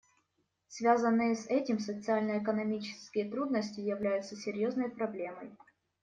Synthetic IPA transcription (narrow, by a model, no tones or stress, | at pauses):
svʲazənːɨjəsɛtʲɪmsət̪sɨalʲnəɪkənɐmʲit͡ɕɪ̥skʲɪjət̪ɾud̪nəsʲtʲɪjɪvlʲæjʊt̪səsʲɪɾʲjoznəjpɾɐblʲe̞mə̰j